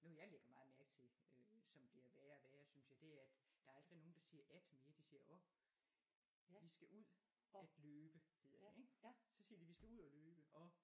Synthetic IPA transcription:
nojɑ̈ɪleɡ̥ɐmɑ̈ːð̩ˠmæɐɡ̥t͡sʰe̝øsɒ̽mb̥liɐʋæːɐʋæːɐsynsjɑ̈ɪd̥e̝æɐæd̥d̥ɑ̈ɐɑl̰d̥ʁino̝ːn̩d̥ɑ̈siːɐʔæd̥me̝ːɐd̥isiːɐʔɔ̽ | ʋisɡ̥æʔuð̰ˠ | æd̥løːb̥əhe̝ð̰ˠɐd̥e̝eŋ̥sɒ̽siːɐd̥iʋisɡ̥æuð̰ˠɒløːb̥əʔɒ̽

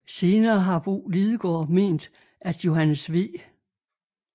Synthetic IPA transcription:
se̝ːnɐːɦɑ̈b̥o̰ːliðˠəɡ̥ɒ̰ːme̝̰ːnd̥ | æd̥jo̝ɦænəsʋe

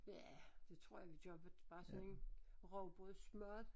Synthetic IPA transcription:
jæd̥e̝t͡sʰʁo̝̰jakid̥ɒb̥ə̥b̥ɑ̈ːsɔ̽ne̝nʁɒʊb̥ɔð̩ˠsmɶɐ̰d

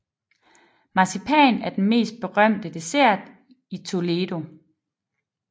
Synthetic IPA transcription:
mɑ̈sipʰɛ̰ːnæɐd̥enme̝̰ːsd̥̚b̥e̝ʁɶm̰d̥əd̥e̝sæɐ̰d̥ | it͡sʰo̝leːd̥o̝

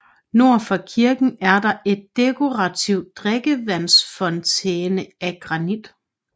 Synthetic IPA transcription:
no̝ɐ̰fɒ̽kʰiɐɡ̥n̩æɐdɑ̈ʔe̝d̥̚ːe̝kʰo̝ʁɑt͡sʰiʊ̰̥d̥ʁeɡ̥əʋæn̰sfɒ̽nt͡sʰeːnəæɡ̥ʁɑ̈nid̥

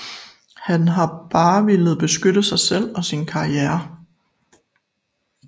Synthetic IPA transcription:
hænɦɑ̈b̥ɑ̈ːʋelð̞̩ˠb̥e̝sɡ̥ød̥əsɑ̈ɪsel̰ɒ̽sinkʰɑ̈iæːɐ

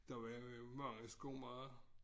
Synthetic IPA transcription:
d̥ɑʋɑmɑ̈ŋ̰əsɡ̥o̝̰mɑːð̩ˠ

